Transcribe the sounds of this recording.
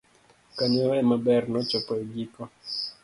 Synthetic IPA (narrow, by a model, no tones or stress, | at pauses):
kaɲɔɛmabɛrnɔt͡ʃɔpɔɛɡikɔ